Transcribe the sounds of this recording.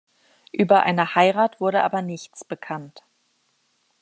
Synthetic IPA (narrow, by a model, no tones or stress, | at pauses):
ʔyːbɐʔa̰ɪnəhaɪʁaːtv̥ʊɐɾəʔa̰ːbɐnɪçt͡sb̥əkʰant